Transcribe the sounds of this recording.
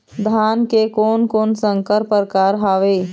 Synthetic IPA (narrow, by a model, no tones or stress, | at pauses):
d̪ʱaːnkekoːnkoːnsə̃ŋkəɾpəɾkaːɾɦaːʋeː